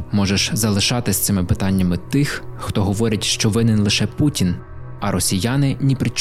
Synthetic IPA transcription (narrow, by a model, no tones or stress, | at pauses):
mɔʒeʃzɐlˠɪʃɑt̪ɪsʲt̪sɪmɪpɪt̪ɑnʲːɐmɪt̪ɪxxt̪ɔɦɔʋɔɾʲɐtʲʃt͡ʃɔʋɪnɪnlˠɪʃɛputʲin | ɐɾɔsʲijɑnɪnʲipɾɪt͡ʃ